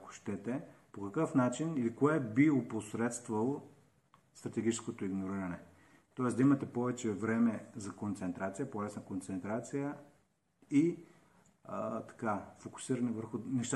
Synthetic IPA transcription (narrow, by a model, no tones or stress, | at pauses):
ko̥ʃt̪ɛt̪ɛpokɐkɤfnat͡ʃinilikoɛbioposɾɛt̪st̪vɐlˠo | st̪ɾɐt̪ɛɡ̟it͡ʃɛskot̪oiɡnoɾiɾɐnɛ | t̪ɔɛsd̪ɐimɐt̪ɛpɔvɛt͡ʃɛvɾɛmɛzɐkont̪sɛnt̪ɾat̪sijəpolɛsnɐkont̪sɛnt̪ɾat̪sijə | i | t̪ɐ̥kafokʊ̥siɾɐnɛvəɾxʊnɛʃt̪